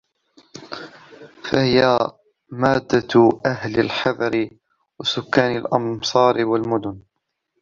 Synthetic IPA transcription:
fahɪja | maːd̪ːaʔahlalħɑðˤɑɾɪ | wasʊkːaːnalʔɑmsˤɑːɾɪwalmʊd̪ʊn

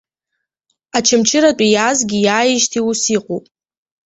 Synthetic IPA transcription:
at͡ʃʰamt͡ʃʰɪɾat͡pʷʼijazɡʲɪjaːjɪʒtʰiusiqʼopʼ

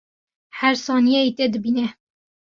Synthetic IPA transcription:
hæɾsɑːnijɛit̪ed̪ɨbinɛ

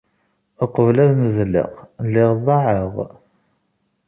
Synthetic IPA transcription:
əqəvlæðməzlɪ̰qlːɪʁðˤɑʕəʁ

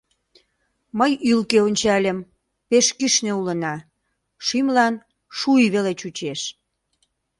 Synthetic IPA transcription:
məjylkeonʲt͡ɕɑlʲəm | peʃkiʃneulənɑ | ʃimlɑn | ʃuiβelet͡ɕut͡ɕeʃ

